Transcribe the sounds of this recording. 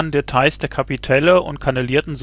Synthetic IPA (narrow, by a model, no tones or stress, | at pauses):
ndetʰaɪsd̥eːɐkʰapitʰɛləʊ̰ntkʰaneliːɐtn̩z